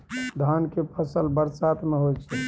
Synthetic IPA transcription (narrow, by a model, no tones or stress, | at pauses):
d̪ʱankepʰəsəlbəɾsat̪meɦojt͡ʃʰɛ